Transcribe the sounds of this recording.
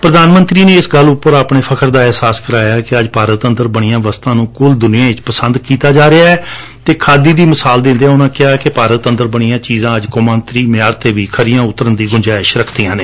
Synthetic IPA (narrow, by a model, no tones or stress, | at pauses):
pɾəd̪aːnmə̃nt̪ɾiːneːɪsɡəlːʊpːəɾaːpɳeːpʰəkʰəɾd̪aːɛɦsaːskəɾaːjaːkɪəd͡ʒpaːɾət̪ənd̪əɾbəɽ̃ɪjãːʋəst̪ãːnũːkʊld̪ʊnɪjãːɪt͡ʃpəsənd̪kiːt̪aːd͡ʒaːɾeaːɛː | t̪eːkʰaːd̪iːd̪iːməsaːld̪ɪ̃nd̪eɛːʊnãːkɪaːɛːkɪpaːɾət̪ənd̪əɾbəɽ̃ijãːt͡ʃiːzãːəd͡ʒkomə̃nt̪ɾiːmɪjaːɾt̪eːʋiːkʰəɾɪjãːʊt̪ːəɾənd̪iːɡʊɲd͡ʒaːɪʃɾəkʰd̪iːjãːneː